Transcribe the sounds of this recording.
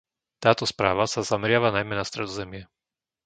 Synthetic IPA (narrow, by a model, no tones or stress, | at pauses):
t̪aːt̪ɔspɾaːʋasazamɛɾɪaʋanajmɛnast̪ɾɛd̪ɔzɛmɪɛ